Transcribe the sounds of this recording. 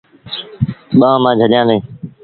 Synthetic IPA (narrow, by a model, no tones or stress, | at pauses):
ɓãːmãːd͡ʒʱəɗjãːleeː